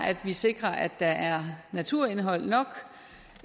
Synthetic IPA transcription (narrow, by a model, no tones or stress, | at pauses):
æd̥ʋise̝ɡ̥ʁɐʔæd̥ːɑ̈ʔæɐnæt͡sʰuɐ̰e̝nɦɒ̽l̰nɒ̽ɡ̥